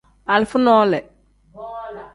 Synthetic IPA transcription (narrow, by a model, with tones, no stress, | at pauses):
a˨lfʊ˦nɔː˦lɛ˨